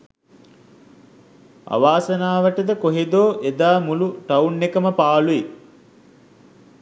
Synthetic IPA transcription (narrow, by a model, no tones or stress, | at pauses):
a̰ʋaːsənaːʋəʈəd̪əkoɦed̪oːʔed̪aːmuluʈaunːekəməpaːlui